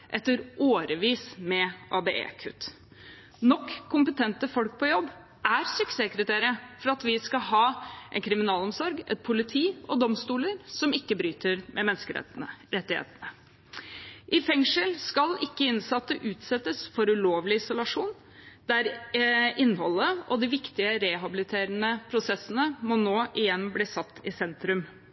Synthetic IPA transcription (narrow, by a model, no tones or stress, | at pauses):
ʔɛt̪ːəɾoːɾəʋiːsmɛʔɑːbeʔḛːkʰʉ̰t̪ | nɔkʰːʊmpət̪ʰɛnt̪əfɔlk̚pʰɔjɔbː | ʔæɾsʏkseːkɾət̪ʰeːɾəfɔɾɑt̪ʋɪskɑɦɑːʔɛ̰nkʰɾɪmɪnɑːlɔmsɔɾɡɛ̰t̪̚pʰʊlɪt̪ʰiːɔd̪ɔmst̪uːləɾsɔmɪkːəbɾyːt̪əɾmʔɛmɛnskə̰ɾɛt̪ːɪhḛːt̪ənə | ʔɪfɛŋʂəlskɑlɪkːəɪnsɑt̪ːəʔʉːt̪sɛt̪ːəsfɔɾʉloːʋlɪɪsʊlɑʂuːn | d̪̥æɾ | ɪnːhɔlːəʔɔd̪ɪʋɪkt̪ɪəɾɛːɦɑbɪlɪt̪ʰeːɾənəpʰɾʊsɛsːənəmɔnoːʔɪjɛnːbliːsɑt̪ːɪsɛnt̪ɾʉm